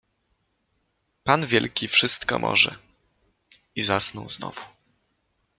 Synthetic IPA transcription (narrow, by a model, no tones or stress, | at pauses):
panvʲjɛlkʲifʂɘst̪kɔmʔɔ̰ʐɛ̰ | izasnɔ̃w̃znɔ̰vu